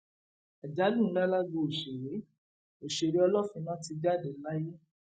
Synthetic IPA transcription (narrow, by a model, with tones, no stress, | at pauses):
ɛ˨d͡ʒa˨˦dũ˦˨˦la˦la˦ɡo˧˨o˨ʃe˨ɾe˨˦ | o˨ʃe˨ɾe˨˦ɔ˧lɔ˦˨fĩ˧˦nã˦ti˧d͡ʒa˦˨de˨˦la˦je˦